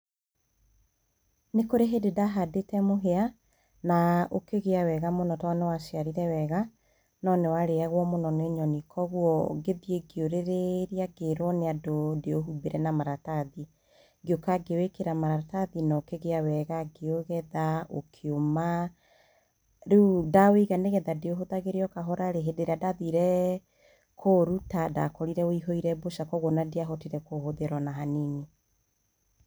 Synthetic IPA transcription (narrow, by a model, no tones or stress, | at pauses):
nekoɾeɦededaɦadetɛmoɦea | nao̰keɣeawɛɣamonɔtawanewaʃiaɾiɾɛwɛɣa | nɔnewaɾeaɣwɔmonɔneoɲɔnikʰɔɣwɔɡeðieɡeoɾeɾeɾiaɡeɾwɔneadodeoɦubeɾʔɛnamaɾataði | ɡeokaɡewekeɾamaɾataðinɔkeɣeawɛɣaɡeoɣɛðao̰kʰeoma | ɾudaweɣaneɣɛðadeoɦoðaɣeɾeɔkaɦɔɾaɾeɦedeɾeadaðiɾɛ | kʰoɾutada̰kɔɾiɾɛoiɦɔiɾɛboʃakɔɣonadeaɦɔtiɾɛkohoðeɾwɔnaɦanini